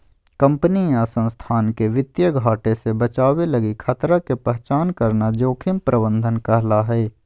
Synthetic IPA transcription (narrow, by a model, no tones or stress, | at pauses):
kə̃mpniasə̃nst̪ʰaːnkeʋɪt̪jəɡʱaːʈesebət͡ʃaːwelɐɡikʰət̪ɾakepɛɦt͡ʃaːnkɐɾnad͡ʒoːkʰɪmpɾʔəbə̃nd̪ʱənkɐɦlaɦɛː